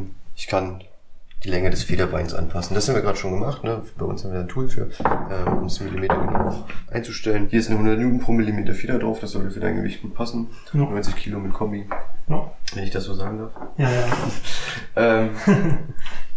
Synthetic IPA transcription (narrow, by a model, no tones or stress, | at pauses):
ʔɪçkʰan | d̥iːlɛŋədɛsfeːɾɐbaɪnsʔa̰npʰasn̩dashamviːɐɡʁaːdə̥ʃoːnɡəmaχtnəb̥aɪʔʊ̰nshamvɪɐjaːntʰuːlfy̰ːɐʔɛːʊ̰msmɪlimeːtɐɡəna̰ʊʔa̰ɪnt͡suʃtɛlənhiːɐɪstnəhʊndɐtnuːpʁ̥oːmɪlimeːtɐfeːdɐdʁaʊfd̥asz̥ɔltəfyːɐdaɪŋɡəvɪ̰çtɡ̥uːt̚pʰasn̩ | nɔʏt͡sɪçkʰiːlomɪtkʰɔmi | vɛnɪçd̥asz̥oːzaːɡŋ̩daɐf | ʔɛːm